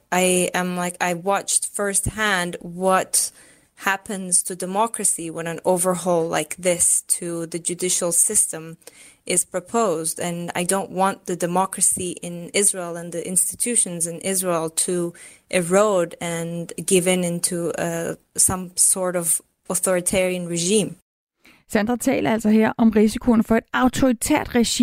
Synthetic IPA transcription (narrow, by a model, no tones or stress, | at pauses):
ʔaɪɨ̃mlaɪkaɪwɑt͡ʃtfɜ˞st̚hæ̃ndwʌt̚ | hæpɨ̃nz̥tʰɨdɨmɑkɹɨsiwə̃nɨ̃noʊvə˞ɦɔʊlˠla̰ɪk̚ðɪstʰɨðɨd͡ʒɨdɪʃl̩ˠsɪstɨ̃m | ʔɪz̥pʰɹ̥ɨpʰoʊzdɨ̃na̰ɪdõʊ̃nʔwɑ̃nðɨdɨmɑkɹɨsiʔɪ̃nɪzɹeɪlˠə̃nðiʔɪ̃nstɨ̥tʰʉʃɨ̃nzɨ̃nʔɪzɹeɪlˠtʰə | ʔɪɹoʊɾɨ̃nɡɪvɨ̃nɪ̃ntʰu | sʌ̃msɔɹɾʌv | ɔθɔɹitʰɛɹiɨ̃nɹɨʒĩːm | sænd̥ʁɐt͡sʰɛ̰ːlʔɐæl̰sʌɦeɐ̰ʔɒ̽mʁisikʰo̝nfɒ̽e̝d̥ɑ̈ʊt͡sʰoʁit͡sʰḛɐ̰d̥ʁɛɕi